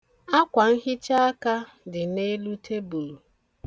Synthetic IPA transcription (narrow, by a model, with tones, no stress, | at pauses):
a˦kʷa˨n̩˦ɦɪ˦t͡ʃa˦a˦ka˦ | dɪ˨ne˦lu˦tʰe˦bu˨u˨